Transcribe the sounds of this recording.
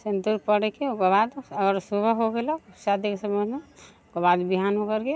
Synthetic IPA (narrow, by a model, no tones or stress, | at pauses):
sənd̪uɾpəɽɛkeokebad̪əɡəɾsubʱəɦoɡeləsad̪eksəməne | okebad̪biɦanɦokəɾke